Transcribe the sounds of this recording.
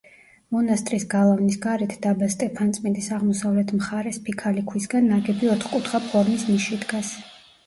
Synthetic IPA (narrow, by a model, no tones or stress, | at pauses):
mɔnast̪ʼɾisɡalˠavnisɡaɾɛt̪ʰd̪̥abast̪ʼɛpʰant̪sʼmind̪isaʁmɔsavlɛt̪ʰmχaɾɛspʰikʰalikʰwisɡanːaɡɛbiɔt̪ʰχkʼut̪ʰχapʰɔɾmisniʃid̪ɡas